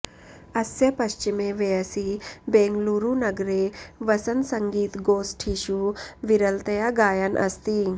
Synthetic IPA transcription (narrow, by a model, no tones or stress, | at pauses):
ɐsjɐpɐʃt͡ʃimeʋeɐsibeːŋɡluɾunɐɡɾeʋɐsɐnsɐŋɡiːt̪ɡoːsʈʰiʃuʋiɾɐlt̪ɐjaɡaːjɐnʔɐ̰st̪iː